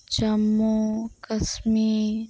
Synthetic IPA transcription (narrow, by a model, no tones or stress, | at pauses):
t͡ʃɐmːokɐsmi